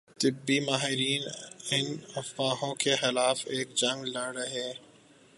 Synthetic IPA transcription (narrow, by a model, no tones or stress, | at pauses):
t̪ɪbːimaːɦɪɾiːnɪnɐfaːɦõkexɪlaːfeːk̚d͡ʒɐ̃ŋɡlɐɽɦɛː